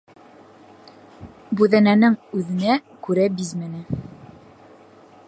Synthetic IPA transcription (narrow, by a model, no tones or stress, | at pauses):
bʉðænænɘŋʉðɘ̆nækʉɾæbizmɘnɘ